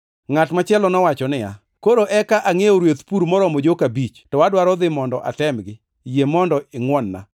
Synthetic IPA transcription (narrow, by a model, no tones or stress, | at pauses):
ŋatmat͡ʃɛlɔnɔwat͡ʃɔnɪja̰ | koɾoʔɛkaʔaŋejɔɾwet̪puɾmɔɾɔmod͡ʒokabit͡ʃtɔwadwaɾɔd̪ɪmɔndɔʔa̰tɛmɡɪ | jemɔndɔɪŋwɔnːa̰